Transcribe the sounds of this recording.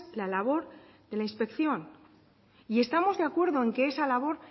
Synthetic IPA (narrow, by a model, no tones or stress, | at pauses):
lalaβ̞o̞ɾ | ðe̞lainspe̞kθjo̞n | ie̞st̪amo̞zðeakwe̞ɾðo̞e̞ŋkeesalaβ̞o̞ɾ